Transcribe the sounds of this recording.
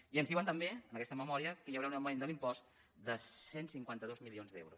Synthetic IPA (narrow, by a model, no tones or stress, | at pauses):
iənzðiuwənt̪əmbeənəkɛst̪əməmɔɾiəkəjəwɾaunəmend̪əlimpɔst̪ | d̪əsensiŋkwant̪əðozmilionzd̪ɛ̰wɾṵs